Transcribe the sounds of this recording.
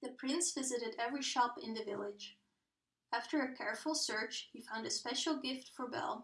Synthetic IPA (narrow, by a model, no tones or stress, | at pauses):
ðɨpʰɹ̥ɪ̃nsv̥ɪzɨɾɨɾɛvɹiʃɑpɪ̰̃nðɨvɪlˠɪ̥d͡ʒ | ʔæftʰə˞ɨkʰɛɹfl̩ˠsɜ˞t͡ʃhifãʊ̃ndɨspɛʃl̩ˠɡɪftfə˞bɛ̰lˠ